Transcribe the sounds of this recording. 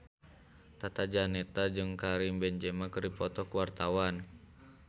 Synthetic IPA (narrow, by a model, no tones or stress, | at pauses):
t̪at̪ad͡ʒanɛt̪ad͡ʒɨŋkaɾimbɛnd͡ʒɛmakərdipɔt̪ɔkəwart̪awan